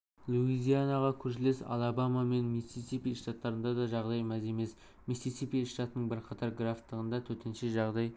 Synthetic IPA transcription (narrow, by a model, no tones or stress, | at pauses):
lˠuizʲijanaʁɑkʲʰɵɾʃ̬ɪlesɑ̰lˠɑbamɑme̞nmisisipʲijʃt̪ɑt̪ːɑɾənd̪ɑd̪ɑʒɑʁd̪ɑjmæze̞me̞s | misisipʲijʃt̪ɑt̪ənəɴbɪɾqʰɑt̪ʰɑɾɡraft̪ːəʁənd̪ɑt̪ʰɵɾt̪ʰe̞nʃeʒɑʁd̪ɑj